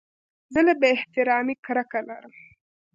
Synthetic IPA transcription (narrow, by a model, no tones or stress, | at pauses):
zəlabəɪht̪ɪɾɑːmikɾakalaɾəm